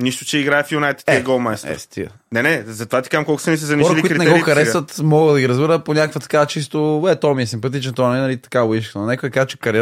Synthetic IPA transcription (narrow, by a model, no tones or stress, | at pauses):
niʃt̪ʊ̥t͡ʃɛiɡɾaɛfjunajt̪t̪iɛɡɔlˠmajst̪ɛ̰st̪ʰḭə̰ | nɛnɛzɐt̪ovat̪i̥kaɛmkɔlˠkʊ̥sɐnisɛzɐniɔɾɐiliuikɾit̪nɛɡɔxɐɾɛsvət̪mɔɣɡəd̪ɐɡiɾɐzbiɾəponʲakəkvət̪ɐ̥kaɐt͡ʃist̪oɛt̪ɔmiɛsimpɐt̪it͡ʃnt̪ɔvanɛnɐlit̪ɐ̥kaoiʃkənonɛkoəd̪ɐkazt͡ʃɛ̥kɐɾ